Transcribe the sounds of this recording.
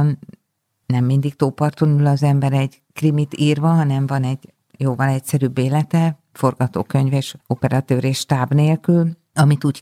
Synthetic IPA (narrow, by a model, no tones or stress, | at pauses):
n | nɛmːind̪ik̚t̪oːpɒrt̪onulɒzɛmbɛɾɛɟ | krimit̪iːrvɒɦɒnɛɱvɒnɛɟ | joːvɒnɛcsɛɾybːeːlɛt̪ɛ | fo̞rɡɒt̪o̰ːkø̞ɲveːʃo̞pɛɾɒt̪øːɾeːʃt̪aːbneːlkyl | ɒmit̪uːɟ